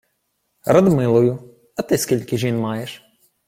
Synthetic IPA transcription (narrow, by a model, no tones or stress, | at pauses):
ɾɐd̪mɪlˠʊjʊ | ɐt̪ɪskʲilʲkɪʒinmɑjeʃ